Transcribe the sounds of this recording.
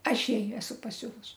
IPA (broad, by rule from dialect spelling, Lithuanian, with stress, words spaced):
ˈɐʃ ˈjɛɪ ˈæːsʊ pɐˈsʲʊʋʊs